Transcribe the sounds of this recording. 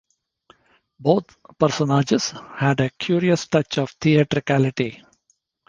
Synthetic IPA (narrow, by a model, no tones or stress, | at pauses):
boːt̪ʰpəɾsɔnaːd͡ʒɪz̥hæɖekʰjuːɾiəsʈʌt͡ʃɔːʋt̪ʰiɛʈɾɪkælɪʈi